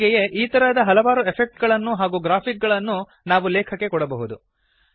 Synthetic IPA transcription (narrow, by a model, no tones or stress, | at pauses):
ɡɛje̞ʔiːt̪ɐɾɐd̪ɐɦɐlɐʋaːɾuepʰek̚ʈɡɐɭɐnːuɦaːɡuːɡɾaːpʰik̚ɡɐɭɐnːu | naːʋulɛːkʰɐkːe̞kɔɽɐbɐɦud̪u